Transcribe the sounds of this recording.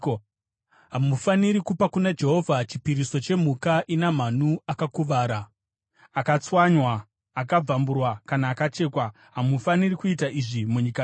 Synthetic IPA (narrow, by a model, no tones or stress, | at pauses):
ɦamufaniɾikupakunad͡ʒe̞ɦo̞vʱat͡ʃipiɾiso̞t͡ʃe̞m̤ukaʔinam̤anuakakuʋaːɾa | akat͡swaɲwaː | kab͡vamburwakanaːkat͡ʃe̞ːkwa | ɦamufanirikuitaʔiʐimuɲika